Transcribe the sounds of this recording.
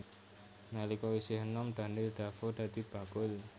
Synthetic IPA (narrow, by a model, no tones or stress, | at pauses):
nalikɔwisɪɦənɔmɖ̪̥a̤nɪld̪̥a̤fod̪̥ä̤d̪̥i̤b̥a̤ɡ̥ʊl